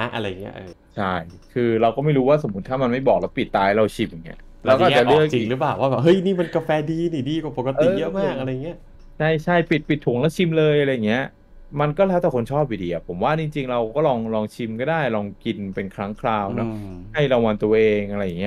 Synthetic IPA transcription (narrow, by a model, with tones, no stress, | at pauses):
a˦˥ʔa̰˧ɾa˧ja˨˩ŋːi˦˥ɐʔɤː˧t͡ɕʰa˥˩jkʰɯː˧ɾa˧wkɔː˥˩ma˥˩ɾuː˦˥waː˥˩so˩˦mu˦˥t̪ʰːaː˥˩ma˧nma˥˩jbɔː˨˩k̚lɛː˦˥wpi˨˩t̪ːaː˧jɾa˧wt͡ɕʰi˧mja˨˩ŋːḭ˦˥ɐ | lɛː˦wkɔː˥˨˩a˨˩lɯ˥˩ək̚i˧˨˩lɯ˦˥plaː˨˩waː˥˩bɛː˨˩ɦɤ˦˥˩jniː˥˩ma˧nka˧fɛː˧diː˧niː˨˩diː˧ka˨˩po˨˩ka˧ʔɤiː˨˧˨jɤ˦˥maː˥˩k̚a˧ɾa˧ja˨ŋːi˦˥ɐ | t͡ɕʰa˥˩jt͡ɕʰa˥˩jpi˨˩t̪̚pi˨˩t̪ʰːu˨˩˦ŋlɛː˦˥wt͡ɕʰi˧mlɤː˧jʔa˧ɾa˧ja˨˩ŋːi˦˥ɐ | ma˧nkɔː˥˩lɛː˦˥wt̪ɛː˨˩kʰo˧nt͡ɕʰɔː˥˩p̚ːi˨˩diː˧˩ʔa˨˩pʰo˩˦mwaː˥˩t͡ɕi˧ŋt͡ɕi˧ŋɾa˧wkɔː˥˩lɔː˧ŋlɔː˧ŋt͡ɕʰi˧mkɔː˥˩daː˥˩jlɔː˧ŋki˧npe˧nkʰɾa˦˥ŋkʰɾaː˧wnɔ˦˥ha˥˩jɾa˧wa˧nt̪u˧ɐ˧ʔeː˧ŋʔa˧ɾa˧jːa˨˩ŋːi˦˥